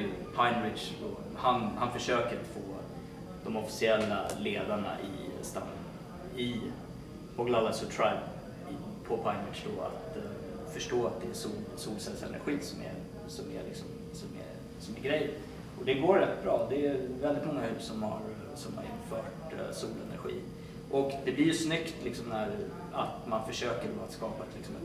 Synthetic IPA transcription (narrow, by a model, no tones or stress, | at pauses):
pʰaɪnɾɪd̪ʂd̪ɔ̰ | hanhanfœʂøːkəɾat̪foː | d̪̥ɔmɔfɪ̥sɪɛlːaleːd̪aɳa̰ʔɪ̰st̪a̰nː | ɪ | ɔɡlalasɔt̪ʰɾaɪb | pʰɔpʰaɪnɾɪʂd̪ɔa̰t̪ | fœʂʈoːat̪̚d̪ɛɛsuːlsuːlsɛlsɛ̰nʔɾɧiːsɔmɛ̰ | sɔmælɪksɔm | sɔmɛ̰ | sɔmɛɡɾɛjː | ɔd̪ɛɡoːɾɾɛt̪ːbɾɑːd̪ɛɛvɛld̪ɪt̪mɔŋːahʉːpsɔmha̰ɾ | sɔmha̰ɾɪnːfœːʈ | suːlɛnæ̰ɾɧḭː | ʔɔkd̪ɛblɪɾjɵsnʏkt̪lɪksɔmnæɾ | a̰t̪manfœʂøːkəɖɔat̪skɑːpaɛt̪lɪksɔmɛt̪